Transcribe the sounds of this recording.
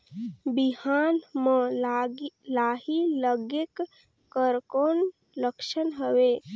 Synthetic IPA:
bihaːnmə̃ | laːɦiləɡek | kəɾkoːn | ləkʃənɦəwe

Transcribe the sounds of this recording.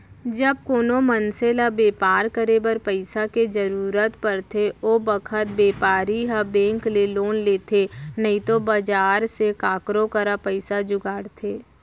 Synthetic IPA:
d͡ʒəb̚koːnomənselabeːpaːɾkəɾebəɾpəɪsaked͡ʒəɾuːɾət̪pəɾt̪ʰeoːbəkʰət̪̚beːpaːɾiɦabẽːŋkleloːnleːt̪ʰenəɦĩt̪obad͡ʒaːɾsekaːkɾõkəɾapəɪsad͡ʒʊɡaːɽt̪ʰeː

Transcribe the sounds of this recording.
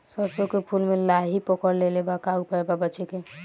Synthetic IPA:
səɾt͡ʃokepʰulmelaɦipɔkəɾlelebakaupaebabət͡ʃeke

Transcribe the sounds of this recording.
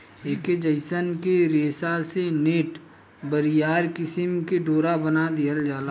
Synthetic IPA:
eːked͡ʒəɪsənkeɾeːsaseneːʈ | bəɾɪjaːɾkɪsɪmkeɖoːɾabənad̪ɪjəld͡ʒaːla

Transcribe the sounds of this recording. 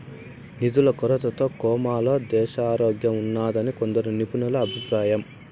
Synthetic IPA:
nid̪ulɐkɔɾɐt̪ɐt̪o̞ːkɔːmaːlo̞ːd̪ɛːʃaːɾoːɡjɐmunːaːd̪ɐnikond̪ɐɾunipunulɐːbʱipɾaːjɐm

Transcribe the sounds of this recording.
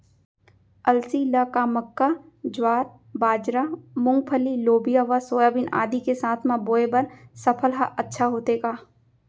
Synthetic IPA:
ɐlsiləkaməkːa | d͡ʒwaːɾ | baːd͡ʒɾamʊ̃ŋɡ̚pʰəliloːbijaʋasoːjaːbina̰ːd̪ikesaːt̪ʰmãboːebɐɾsɐpʰəlɦaʔɐtːʃʰaɦoːt̪eːɡaː

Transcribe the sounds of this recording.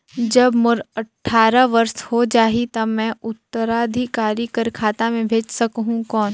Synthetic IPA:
d͡ʒɐbmʊɾɐʈʰːaːɾaʋɐɾshod͡ʒaːɦit̪ɐmɛ̃ʊt̪ːəɾaːd̪ʱikaːɾikəɾkʰaːt̪amẽbʱeːd͡ʒsɐkɦũkɔːn

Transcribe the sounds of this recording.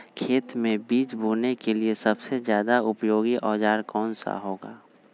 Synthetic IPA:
kʰeːt̪mẽbiːt͡ʃbʱuːnekeliesɐbsezjaːd̪aʊpjoːɡiʔɔːd͡ʒaːɾkɔːnsa̰ɦoːɡa̰ː

